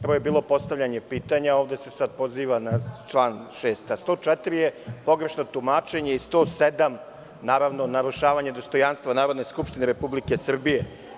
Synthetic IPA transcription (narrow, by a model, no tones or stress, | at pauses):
pɾojebiːlˠo̞po̞st̪aʋʎaɲe̞piːt̪aɲaoːvd̪e̞se̞sad̪̚po̞ziːʋanat͡ʃlˠaːnʃeːst̪ast̪o̞ːt͡ʂɛt̪ɾijepo̞ɡɾeʃno̞t̪umaːt͡ʃeɲe̞ist̪o̞ːsed̪am | naːɾaʋno̞naɾuʃaːʋaɲed̪o̞st̪o̞janst̪ʋanaːɾo̞d̪ne̞skupʃt̪ineɾepublike̞sr̩bije